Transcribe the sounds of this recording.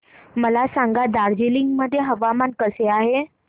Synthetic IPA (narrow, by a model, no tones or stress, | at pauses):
məlasaŋɡad̪aɾd͡ʑeliŋɡməd̪ʱːjeɦəʋamankəseaɦe